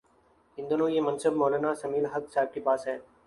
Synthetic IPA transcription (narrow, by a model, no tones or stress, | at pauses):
ɪ̃nd̪onoːjeːmənsəbmɔːlaːnaːsəmiːlɦəksaːɪb̚ʈipaːsɦɛː